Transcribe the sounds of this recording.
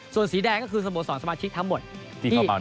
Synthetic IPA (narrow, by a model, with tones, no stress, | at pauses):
su˨˩ənsiː˩˦dɛː˧ŋkɔː˥˩kʰɯː˧s̬a˧mo˨˩˦sɔː˩˦nsa˧maː˧t͡ɕʰi˦˥k̚t̪ʰa˧˥ŋmo˨˩t̪̚ | tiː˧˩aː˨˦